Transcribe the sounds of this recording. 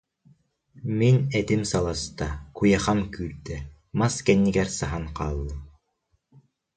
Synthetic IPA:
minɛt̪imsalˠast̪akujaχamkyːɾt̪ɛ | maskɛnːiɡɛɾsaɦanqaːlˠːɯ

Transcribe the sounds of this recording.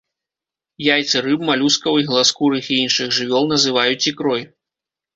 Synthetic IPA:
jajt̪sɨɾɨpmalʲuskɐwiɣlˠaskuɾɨxiinʂɨxʐɨvʲɔlˠnɐzɨvajut͡sʲikɾɔj

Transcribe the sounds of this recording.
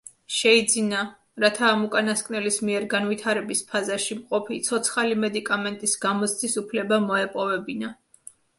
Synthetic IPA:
ʃɛid̪zina | ɾat̪ʰaːmukʼanaskʼnɛlismiɛɾɡanvit̪ʰaɾɛbispʰazaʃimqʼɔpʰit̪sʰɔt̪sʰχalimɛd̪ikʼamɛnt̪ʼisɡamɔst̪ʰisupʰlɛbamɔɛpʼɔvɛbina

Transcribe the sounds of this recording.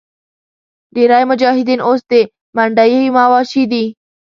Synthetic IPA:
ɖeːɾaːjmʊd͡ʒaːɦɪd̪iːnʔoːst̪e | maɳɖajɦimaːʋaːʃiːd̪iː

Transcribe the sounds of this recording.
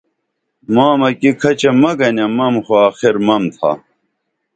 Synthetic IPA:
maːmɐkikʰɐt͡ɕemɐɡɐnɐmɐmxoaːxiɾmɐmt̪ʰa̰

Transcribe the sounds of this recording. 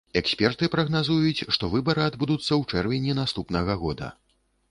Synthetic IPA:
ɛksʲpʲɛrt̪ɨpɾɐɣnazujut͡sʲʂt̪ɔvɨbɐɾɨad̪bud̪ut̪sːɐwt͡ʂɛrvʲɛnʲɛnast̪upnɐɣɐɣɔd̪ɐ̰

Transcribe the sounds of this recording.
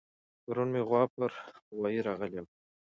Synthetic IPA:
paɾunmeɣwɑpəɾwɑjiɾɑɣəljem

